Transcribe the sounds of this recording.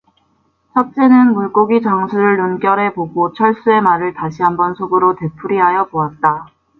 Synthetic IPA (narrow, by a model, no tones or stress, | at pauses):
t͡ɕʰʌk̚t͡ɕ͈enɯnmuɭk͈oɡit͡ɕaŋsʰuɾɯɭːunk͈jʌɾɦe̞poɡot͡ɕʰʌɭs͈ue̞maɾɯɭtaɕʰiɦambʌnsʰoɡɯɾote̞pʰuɾiɦajʌboat̚t͈a